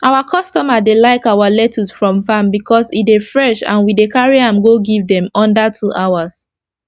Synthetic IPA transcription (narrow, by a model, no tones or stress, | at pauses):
ʔaʊwakʰɔstɔmadelaɪkawalɛtʰusfɹɔ̃mfãmbikʰɔsitefɹɛʃã̰nwidekaɹiãmɡoɡivdɛ̃mɔ̃ndatʰuʔaʊas